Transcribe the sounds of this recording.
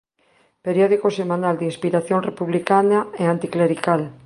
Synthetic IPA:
peɾjɔðikosemãnald̪inspiɾaθjonrepuβlikanaeant̪ikleɾikal

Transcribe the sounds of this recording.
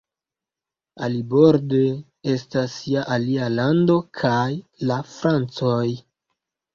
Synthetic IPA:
a̰libo̞ɾde | e̞stasiaʔalialando̞kʰajlafɾant͡soj

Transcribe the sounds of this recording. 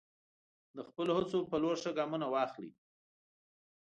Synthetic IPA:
d̪əxpəlohət͡sopəloɾʂəɡɑmunawɑxlḭ

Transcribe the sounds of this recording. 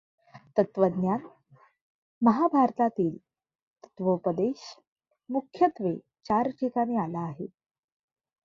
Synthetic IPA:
t̪ət̪ʋəd̪njan | məɦabʱaɾt̪at̪iːl | t̪ə̥t̪ʋəpəd̪eɕ | mukʰjət̪ʋe | t͡ɕaɾʈʰikanialaːɦḛ

